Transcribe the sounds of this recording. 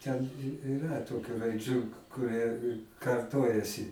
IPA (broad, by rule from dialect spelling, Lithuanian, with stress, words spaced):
tʲɛn ɪˈrɐ ˈtoːkʲʊ rɐɪˈd͡ʒʲuː kʊˈrʲiɛ kɐrˈtoːjɛsʲɪ